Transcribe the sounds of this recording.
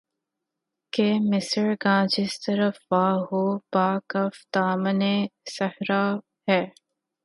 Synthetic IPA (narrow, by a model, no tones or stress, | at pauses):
kemɪsɾɡãːd͡ʒɪst̪ɐɾəfʋaːɦoːbaːkɐfd̪aːməneːsɐhɾaː | hɛː